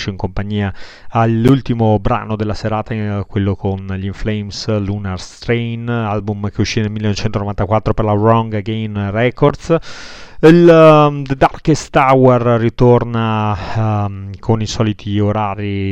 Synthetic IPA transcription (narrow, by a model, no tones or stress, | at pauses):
ʃeiŋkompaɲːiːa | alːult̪imobɾa̰ːnod̪elːaseɾaːt̪akwelːokʰonʎiɱflejmslunarst̪ɾejnalbumk̟euʃːinelmilːenɔvet͡ʃɛnt̪onovant̪akwat̪ːɾoperlarɔŋɡɡejmrɛkord̪s | ild̪ed̪arkest̪awɛrːit̪orna | kʰonisɔːlit̪ʰioɾaːɾi